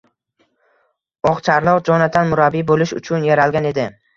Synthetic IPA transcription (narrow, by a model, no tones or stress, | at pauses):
ɒqt͡ʃʰaɾlˠɒqd͡ʒɒnad̪ʰanmʊɾabːibolɪʃʊ̰t͡ʃʰʊnjaɾalˠɡʲane̞d̪ɪ